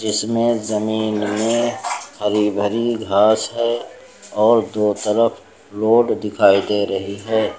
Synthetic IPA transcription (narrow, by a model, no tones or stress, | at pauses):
d͡ʒɪsmẽzəmiːnmẽxəɾiːbʱəɾiɡʱaːsɦɛ | ɔːɾd̪oːt̪əɾəfʰ | loːɖd̪ɪkʰaːid̪eɾɐɦiɦɛː